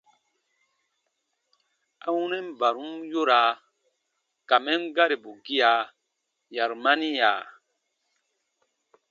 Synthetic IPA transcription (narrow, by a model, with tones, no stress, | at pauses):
a˦wu˦nɛ˦m˨ba˨ɾu˦mjo˦ɾa˨˦ | ka˨mɛ˦mɡa˦ɾe˨bo˨ɡi˦ja˨ | ja˨ɾma˦ni˦ja˨